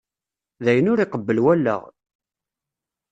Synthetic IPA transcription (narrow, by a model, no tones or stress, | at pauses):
ðæjənʊɾiqəbːəlwælːə̰ʁ